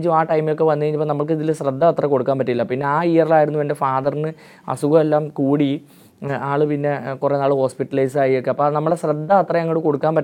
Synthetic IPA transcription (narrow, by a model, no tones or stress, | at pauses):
t͡ɕːuaːʈɐjmijo̞k̬ːe̞ʋɐnːɐeɐɲt͡ɕipːoːnɐmːɐɭk̬iðilɕrɐd̪ːɐɐt̪rɐko̞ɽukːaːnpɐʈ̬ːiilːɐpinːe̞aːijɐrilaːjiɾunːuʋɐɳɖefaːðɐrnɨ | ɐ̰suɣɐelːaːmkuːɽi | aːɭɨpinːe̞kurenːaːɭɨho̞ːspiʈːɐlɐjsaːjijo̞kːeɐpːoːnɐmːɐɭɽeɕrɐd̪ːɐɐt̪rɐjɐŋːɐɽɨko̞ɽukːaːnpɐʈː